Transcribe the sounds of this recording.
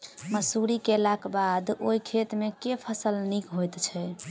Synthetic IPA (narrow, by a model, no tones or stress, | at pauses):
məsuɾikelakbad̪oikʰet̪mekepʰəsəlnikɦojt̪t͡ʃʰɛ